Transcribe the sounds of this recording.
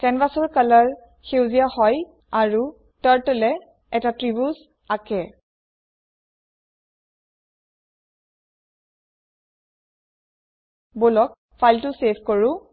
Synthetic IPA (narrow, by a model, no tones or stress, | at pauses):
kɛnvasɔɹkalaɹ | xewziahɔj | aɹu | taɹtɛlɛ | ɛtatɹibus | akɛ | bolɔk̚ | fʰajltʊsebkɔɹʊ̃